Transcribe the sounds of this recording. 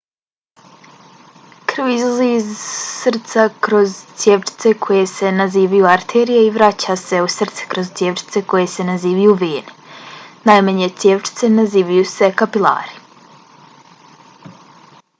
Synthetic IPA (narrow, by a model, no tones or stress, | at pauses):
kr̩ʋizlˠaziːzsr̩t̪sakɾo̞zt̪sjeʋt͡ʃi̥t̪se̞kʰoje̞se̞naziːʋajuaɾt̪ʰeːɾijeiʋɾat͡ɕase̞usr̩t̪se̥kɾo̞zt̪sʲjeːʋt͡ʃi̥t̪se̞ko̞je̞se̞naziːʋajuʋeːnenajmaɲet̪sjeːʋt͡ʃi̥t̪senaziːʋajuse̞kapilˠa̰ːɾi̥